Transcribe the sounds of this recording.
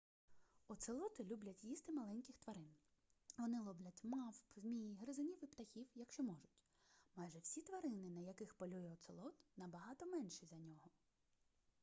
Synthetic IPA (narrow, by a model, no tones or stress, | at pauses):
ɔt̪sɪlˠɔt̪ɪlʲublʲɐtʲjist̪ɪmɐlˠɛnʲkʲɪxt̪ʋɐɾɪn | ʋɔnɪlˠɔblʲɐtʲmɑwpmʲijɦɾɪzɔnʲiwipt̪ɐxʲiwjɐkʃt͡ʃɔmɔʒʊtʲ | mɑjʒɛwsʲit̪ʋɐɾɪnɪnɐjɐkɪxpɔlʲujɛɔt̪sɪlˠɔt̪nɐbɐɦɑt̪ɔmɛnʃizɐnʲɔɦɔ